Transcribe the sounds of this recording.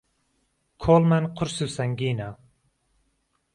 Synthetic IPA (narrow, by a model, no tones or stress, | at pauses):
kʰolˠmɛnqʰʊɾsysɛŋɡʲinɑ